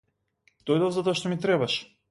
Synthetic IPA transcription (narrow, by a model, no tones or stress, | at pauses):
d̪̥ojd̪avzat̪oɔaʃt̪omit̪ɾɛbaʃ